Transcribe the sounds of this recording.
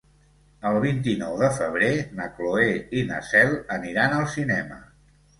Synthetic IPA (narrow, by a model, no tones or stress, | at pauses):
əlˠβ̞int̪̬inɔwðəfəβ̞ɾenəkloeinə̰sɛlˠəniɾanəlˠsinɛmə